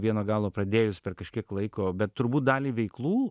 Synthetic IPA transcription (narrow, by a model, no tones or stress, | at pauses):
ʋʲiɛnoːɡɑːlˠoːpɾɐd̪ʲeːjʊspʲɛrkɐʃʲkʲiɛklˠɐɪkoːbʲɛt̪t̪ʊɾbuːt̪̚d̪ɑːlʲiːʋʲɛɪklˠuː